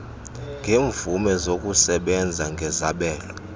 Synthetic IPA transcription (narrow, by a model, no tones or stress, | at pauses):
ŋɡʱeːɱvumɛzokʼusɛɓɛnd͡zʱaŋɡʱɛzaɓɛːlɔ